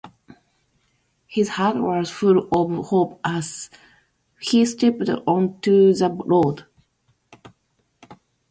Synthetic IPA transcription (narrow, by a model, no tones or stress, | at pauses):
hɪzhatwɔzfulɔvhopaz̥ | histɪpdɔ̃ntuðəbɹod